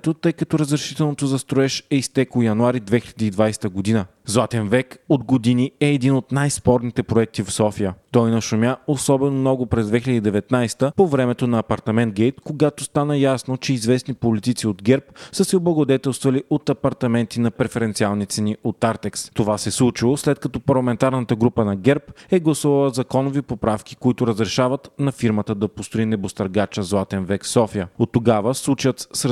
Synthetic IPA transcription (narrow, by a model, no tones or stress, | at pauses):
t̪ot̪ɤjkɐt̪ɔɾəzɾɐʃi̥t̪ɛlˠnot̪ozɐst̪ɾoɛʃɛist̪ɛkojɐnuaɾid̪vɛxilɛd̪iːd̪vajsɛ̥t̪əɡod̪inə | zlˠat̪ɛnvɛkod̪ɡod̪iniɛːd̪inot̪najspɔɾnit̪ɛpɾoɛk̚t̪ifsɔfijət̪ɔjnɐʃʊmʲjaosɔbɛnomnɔɡʊpɾɛzd̪vɛxʲiləd̪id̪ɛvɛt̪najst̪əpovɾɛmɛt̪onɐːpɐɾt̪ɐmɛnt̪̚ɡʲɛjt̪koɡat̪ost̪anəjasnot͡ʃɛizvɛsnipolit̪it̪siod̪ɡɛɾpsəsɛoblˠɐɡod̪ɛt̪ɛlˠst̪vɐliʔot̪ɐpɐɾt̪ɐmɛnt̪inɐpɾɛfɛɾɛnt̪sialˠnit̪sɛniot̪aɾt̪ɛkst̪ovasɛslˠut͡ʃilˠoslɛt̪̚kɐt̪ɔpɐɾlˠɐmɛnt̪aɾnət̪əɡɾupənɐɡɛɾpɛɡlˠɐsuvɐlˠəzɐkɔnovipopɾafkʲi̥koit̪ʊɾəzɾɛʃavət̪nɐfiɾmət̪əd̪ɐpost̪oinɛbost̪ɐɾɡat͡ʃəzlˠat̪ɛnvɛksɔfijəot̪ːoɡavəslˠut͡ʃət̪s